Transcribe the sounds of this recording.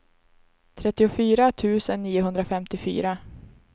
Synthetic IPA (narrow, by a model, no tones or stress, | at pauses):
t̪ʰɾɛt̪ːɪʊfyːɾat̪ʰʉ̟ːsənːiːʊɦɵnd̪ɾafɛmt̪ɪfy̰ːɾa